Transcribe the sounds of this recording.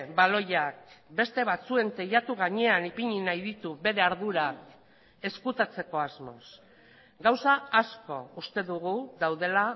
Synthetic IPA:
balo̞jak̚be̞st̪e̞βat͡sue̞nt̪ejat̪uɣaɲe̞anipiɲinajðit̪uβe̞ɾe̞aɾðuɾak | e̞skut̪at͡se̞ko̞azmo̞̰s | ɡawsaːsko̞ust̪e̞ðuɣuðawðe̞la

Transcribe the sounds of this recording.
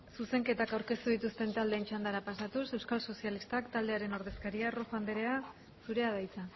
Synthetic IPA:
suse̞ŋke̞t̪akawɾke̞st̪uð̞it̪ust̪e̞nt̪ald̪ent͡ʃand̪aɾapasat̪use̞wskalso̞sialist̪akt̪ald̪e̞aɾe̞no̞ɾð̞e̞skaɾiaroxand̪eɾe̞a | suɾe̞að̞ajt͡sa

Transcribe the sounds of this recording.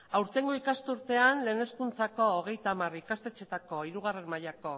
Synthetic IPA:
awɾt̪e̞ŋɡoikast̪uɾt̪e̞anle̞ːne̞skunt͡sako̞ːɣ̞e̞jt̪amarikast̪et͡ʃe̞t̪ako̞iɾuɣ̞arenmaʎako̞

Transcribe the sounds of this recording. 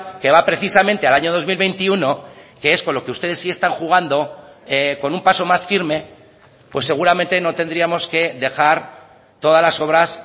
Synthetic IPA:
ke̞βapɾe̞θisamẽnt̪e̞alaɲo̞ðo̞zmilβe̞jnt̪iuno̞keesko̞nlo̞keust̪e̞ð̞e̞sːie̞st̪aŋxuɣ̞and̪o̞ | eko̞numpaso̞masfiɾme̞ | pwe̞sːe̞ɣuɾamẽ̞nt̪e̞no̞t̪e̞nd̪ɾiamo̞ske̞ðe̞xaɾ | t̪o̞ð̞azlaso̞βɾas

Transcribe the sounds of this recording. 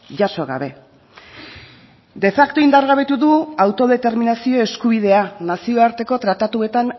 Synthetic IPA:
ʝaso̞ɣa̰βe̞ | d̪e̞fakt̪o̞ind̪aɾɣaβe̞t̪uðuawt̪o̞ðe̞t̪e̞ɾminasio̞e̞skuβ̞iðe̞anasio̞aɾt̪e̞ko̞t̪ɾat̪at̪ue̞t̪an

